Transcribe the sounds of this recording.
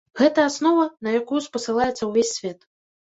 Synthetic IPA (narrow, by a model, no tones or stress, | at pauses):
ɣɛt̪ɐːsnɔvɐnɐjakujuspɐsɨlˠajɛt̪sːɐwvʲesʲːvʲɛt̪